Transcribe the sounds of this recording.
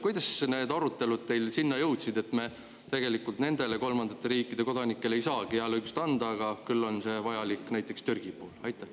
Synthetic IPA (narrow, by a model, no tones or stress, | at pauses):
kujd̪̥ɑsne̞ːd̪ɑɾut̪ːˑe̞lud̪̚t̪e̞jlsinːɑjɤwt̪sid̪e̞t̪ːme̞ | t̪e̞ɡ̥e̞likːˑult̪ne̞nd̪e̞le̞ko̞lmɑnd̪̥ɑt̪ːˑe̞ɾiːkːˑid̪̥e̞ko̞d̪̥ɑnikːe̞le̞jsɑːɡ̥ieɑleykust̪ɑnd̪̥ɑːɡ̥ɑkylːo̞nse̞vɑjɑlikːˑnæjt̪ːˑe̞kst̪yrɡ̥ipoːlɑjt̪ːˑæ